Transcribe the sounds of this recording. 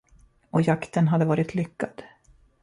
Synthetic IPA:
ɔjakt̪ənɦad̪ːəvɑːɾɪt̪ʰlʏkːad̪̥

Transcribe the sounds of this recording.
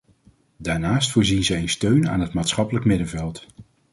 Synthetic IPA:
daːɹnaːstfʊːɹzinzɛənstøɥna̰ːnɦətmaːtsχɑpələkmɪdəvɛlˠt

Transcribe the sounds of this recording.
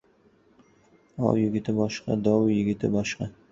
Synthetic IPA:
ɒ̰wjɪɡʲɪt̪ɪbɒʃqɑ̰d̪ɒwjɪɡʲɪt̪ɪbɒʃqɑ

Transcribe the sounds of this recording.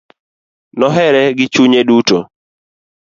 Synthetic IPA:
nɔɦɛɾɛɡɪt͡ʃuɲeduto

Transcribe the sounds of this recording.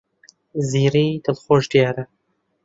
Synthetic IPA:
ziːɾiːd̪ɨlxoːʒd̪ijaːɾɐ

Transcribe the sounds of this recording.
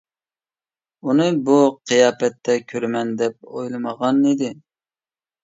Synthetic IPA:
unɨbuqʰɨjɑːpɛt̪ʰːɛkʲʰøɾmɛnd̪ɛp̚o̰jlˠɨməʁɑnid̪ɪ

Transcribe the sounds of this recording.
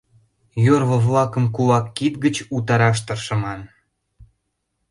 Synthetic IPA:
jorβŏβlɑkə̆mkulɑkːit̪ɡət͡ɕut̪ɑɾɑʃ̬t̪ərʃə̆mɑn

